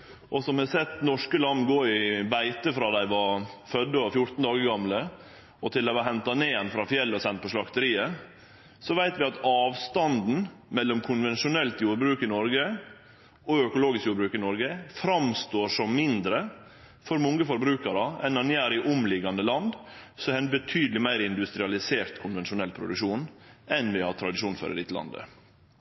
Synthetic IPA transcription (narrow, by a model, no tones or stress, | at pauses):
ʔɔsɔmʋɪsɛt̪nɔʂkəlɑnːɡoːɪbæɪt̪əfɾɑːd̪æɪʋɑfœd̪ːəɔfjʊt̪n̩d̪ɑːɡəɾɡɑmlə | ɔt̪ʰɪld̪æɪʋɑɦɛnt̪ɑneːɛnfɾɑfjɛlːɔsɛnt̪̚pʰɔʂlɑkt̪əɾiːə | sɔʋæɪt̪ʋɪɑt̪ɑːʋst̪ɑnd̪n̩mɛlːɔmkʰʊnʋɛnʂʊnɛlt̪juːɾbɾʉːkɪnɔɾɡə | ɔœkʊloːɡɪskjuːbɾʉːkɪnɔɾɡəfɾɑmst̪oːʂɔmmɪnd̪ɾə | fɔɾmɔŋɡəfɔɾbɾʉːkɑɾəɛnɑnjæːɾɪʔʊmlɪɡɑnd̪əlɑnd̪sɔæɛɪnbət̪ʰyːd̪əlɪmæɪɾɪnd̪ʉst̪ɾɪɑlɪseːɾt̪kʰʊnʋɛnʃʊnɛlːpʰɾʊ̰d̪ʉkʂuːnɛnʋɪhɑt̪ʰɾɑd̪ɪʂuːnfø̰ːɾə̰ɾɪt̪əlɑ̰nd̪ə̰